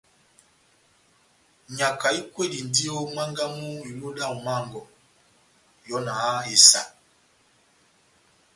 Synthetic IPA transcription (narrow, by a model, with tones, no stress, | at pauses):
ɲa˨ka˨i˦kwe˦˨di˨n˨di˦o˦ma˦ŋɡa˦mu˦i˨lo˦da˦˨u˨ma˦˨ŋɡɔ˨ | jɔ˦na˨˦e˨sa̰˨